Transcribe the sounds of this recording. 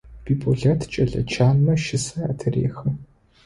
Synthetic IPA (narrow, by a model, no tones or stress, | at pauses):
piːpʰʼoɮɐtʰt͡ʃʼɐɮɐ̰t͡ʃʰaːnmɐʃɪsɐa̰ːtʰɨrḛːxɐ